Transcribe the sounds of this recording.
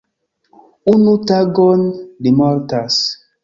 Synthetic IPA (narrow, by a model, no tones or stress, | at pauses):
unutaɡɔndimɔɾtas